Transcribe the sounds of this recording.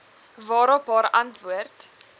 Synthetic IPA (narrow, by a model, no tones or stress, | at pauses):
vɑːɾəpɑːɾɐntvuərt